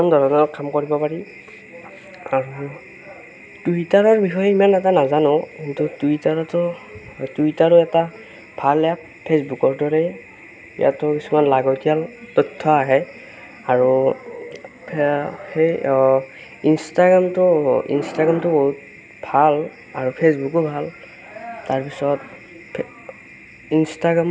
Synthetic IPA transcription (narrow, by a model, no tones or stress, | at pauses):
ɔndʱɔɹɔnɔkamkoɹibɔpaɹi | aɹu | tuitaɹɔɹbixɔjɛimanɛtanazanɔ̃kintutuitaɹɔtʊtuitaɹɔɛta | b̥ʱalɛap | pʰesbukɔɹdɔɹɛ | ḭja̰tʊkisumanlaɡɔtijaltɔtʰːɔaɦɛ | aɹu | hej | instaɡɹamtʊḭnstaɡamtʊboɦut̚ | bʱal | aɹupʰes̬bukɔbʱal | taɹpisɔt | instaɡɹam